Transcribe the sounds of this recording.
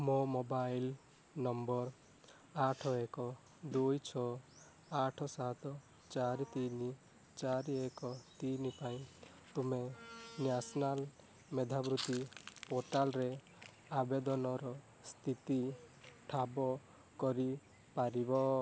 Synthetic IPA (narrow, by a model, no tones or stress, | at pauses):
momobajl | nɔmbɔɾ | aʈʰɔekɔ | d̪ujt͡ʃʰɔ | aʈʰɔsat̪ɔ | t͡ʃaɾit̪ini | t͡ʃaɾiekɔt̪inipaĩ | t̪umenjasɔnal | med̪ʱabɾut̪ipoɾʈalɾe | abed̪ɔnɔɾɔ | st̪ʰit̪iʈʰabɔ | kɔɾi | paɾibɔ